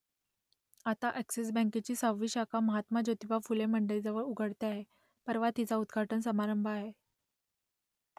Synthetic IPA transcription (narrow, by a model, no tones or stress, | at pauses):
at̪aʔæksis̬bə̃ŋket͡ɕiːsawʋːiːɕakaməɦat̪mad͡ʑot̪ipafulem̤əɳɖəɭid͡zəʋəɭuɡʱəɽt̪eaɦe | pəɾʋat̪it͡saud̪ɡʱaʈənsəmaɾəmbʱaɦe